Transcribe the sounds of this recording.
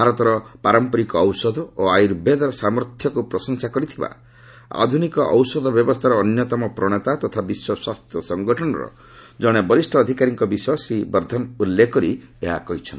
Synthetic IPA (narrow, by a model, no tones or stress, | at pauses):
bʱaɾɔt̪ɔɾɔpaɾɔmpɔɾikɔːwsɔd̪ʱɔoajɾbed̪ɔɾɔsamɔɾt̪ʰjɔkupɾɔsɔŋsakɔɾit̪ʰiba̰ | a̰d̪ʱunikɔʔɔwsɔd̪ʱɔbjɔbɔst̪ʰaɾɔːnjɔt̪ɔmɔpɾɔɽ̃et̪at̪ɔt̪ʰabiswɔswast̪ʰjɔsɔŋɡɔʈʰɔñɔɾɔ̰ | d͡ʒɔɽ̃ebɔlisʈʰɔːd̪ʱikaɾiŋkɔbisɔsɾibɔɾd̪ʱɔnulːekɔɾieɦa̰kɔɦit͡ʃʰɔnt̪i